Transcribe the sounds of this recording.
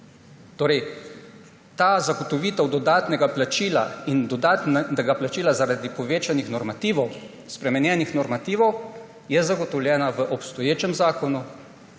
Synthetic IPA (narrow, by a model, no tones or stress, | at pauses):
t̪oːɾɛj | t̪aːzaɡɔt̪ɔʋiːt̪ɛwd̪ɔd̪aːt̪nɛɡaplat͡ʃiːlaind̪ɔd̪aːt̪nnɛɡaplat͡ʃiːlazaɾad̪ipɔʋeːt͡ʃanixnɔɾmat̪iːʋɔw | spɾɛmɛnjɛːnixnɔɾmat̪iːʋɔw | jɛzaɡɔt̪ɔwlʲjɛːnaʋəʔɔpst̪ɔjeːt͡ʃɛmzaːkɔnu